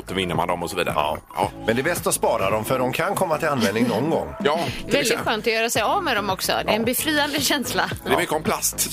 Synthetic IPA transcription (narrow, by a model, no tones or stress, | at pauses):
t̪ːɔvɪnːəma̰nd̪ɔmːɔsɔvḭːd̪a̰ɾ̰ | mɛnd̪ɛːbɛst̪ɔspɑːɾad̪ɔmfœɖɔmkʰankʰɔmːat̪ʰɪlanvɛnd̪ɪŋnɔnɡɔ̰ŋːvɛld̪ɪt̪ɧøːnt̪ɔjœːɾasɛjavmɛd̪ɔmɔksɔ̰d̪ɛɛnbɛfɾiːand̪əɕɛnslaɛmʏkːəɔmpʰlast̪